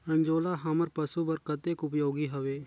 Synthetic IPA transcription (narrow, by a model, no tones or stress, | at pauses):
ɐnd͡ʒoːlaɦɐməɾpɐsubɐɾkət̪ekʊp̬joːɡiɦɐʋeː